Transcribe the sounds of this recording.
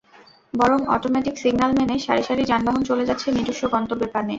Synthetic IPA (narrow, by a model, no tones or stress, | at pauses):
bɔɾomɔ̰ʈomɛʈiksiɡnalmɛneʃaɾiʃaɾid͡ʑanbaɦont͡ɕoled͡ʑatːɕʰenid̪oʃːoɡɔnt̪obepanːe